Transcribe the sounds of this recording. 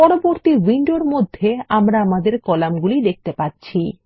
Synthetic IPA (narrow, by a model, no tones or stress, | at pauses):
pɔɾoboɾt̪iwiɳɖoɾmod̪ʱːeamɾaamad̪eɾkɔlamɡulid̪ek̚t̪epatːɕʰi